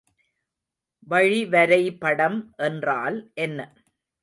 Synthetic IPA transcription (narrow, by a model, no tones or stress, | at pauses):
ʋɐɻiʋɐɾɐɪpɐɽɐmʔɛndraːlʔɛnːɐ